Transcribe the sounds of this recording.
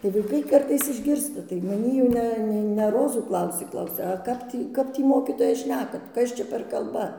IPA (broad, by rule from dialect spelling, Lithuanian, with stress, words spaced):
tɐɪ ʋɐˈɪkɐɪ ˈkɐrtɐɪs ɪʒʲˈɡʲɪrstɐ tɐɪ mɐˈnʲiː jɛʊ ˈnʲɛ nʲɛ nʲɛ ˈroːzuː ˈklˠɐʊsʲeː ˈklˠɐʊsʲɛ ɐ ˈkɐp tʲiː ˈkɐp tʲiː ˈmoːkʲiːtoːjɛ ˈʃʲnʲæːkɐt ˈkɐs t͡ʃʲɛ pʲɛr ˈkɐlˠbɐ